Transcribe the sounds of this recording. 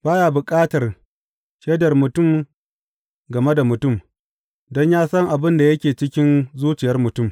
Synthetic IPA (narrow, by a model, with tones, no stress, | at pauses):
b̥aː˦jaː˨bʊ˨kʼaː˦tɐ˨r | ʃeː˦dɐ˨rmʊ˨tʊ˦˨m | ɡɐ˨me˦da˨mʊ˨tʊ˦˨m | dɔ˦ɲjaː˦sɐ˦ŋʔa˨bɪ˦nda˨jɐ˦kʲeː˨t͡ʃɪ˦kʲɪ˦nzuː˦t͡ʃɪ˨jɐ˦rmʊ˨tʊ˦˨m